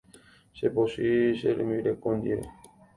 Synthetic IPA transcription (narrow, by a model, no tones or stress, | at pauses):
seposiseɾemiɾekõnd̪ieɾḛ